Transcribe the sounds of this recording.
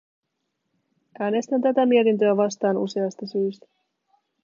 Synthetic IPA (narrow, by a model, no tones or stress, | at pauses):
ʔæːne̞st̪ænt̪æt̪æmiet̪int̪øæʋɑst̪ɑːnuse̞ɑst̪ɑsyːst̪æ̥